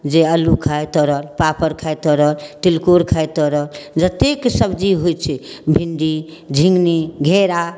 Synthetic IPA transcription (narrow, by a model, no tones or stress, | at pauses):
d͡ʒeəlukʰajt̪ɔɾəlpapʰəɾkʰajt̪ɔɾəlʈilkoɾkʰajt̪ɔɾəld͡ʒət̪eksəbd͡ʒiɦojt͡ʃʰɛbʱinɖi | d͡ʒʱĩŋɡniɡʱeɾa